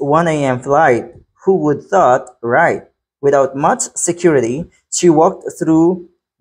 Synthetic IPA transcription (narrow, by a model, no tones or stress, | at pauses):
wʌ̃neɪɛ̃mflaɪt̚ | huwʊd̪̚θɔtɹaɪt̚ | wɨðaʊt̚mʌt͡ʃsɨkʰj̥ʊɹɨɾi | ʃiwɔk̚tθɹu